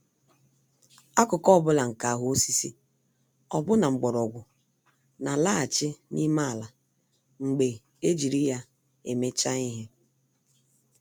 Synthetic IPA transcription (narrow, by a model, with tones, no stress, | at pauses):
a˦kʊ˨kɔ˦bʊ˦la˨ŋ̩˨ka˨a˨ɦʊ˦o˦si˦si˦ | ɔ˨bʊ˦na˨ŋ͡m̩˨ɡ͡bɔ˨ɾɔ˨ɡʷʊ˨ | na˨la˦˨t͡ʃɪ˦nḭ˦ma˦a˨la˨ | ŋ͡m̩˨ɡ͡be˨ | e˦d͡ʒi˨ɾi˦ja˦ | e˨me˦t͡ʃa˦i˦ɦe˦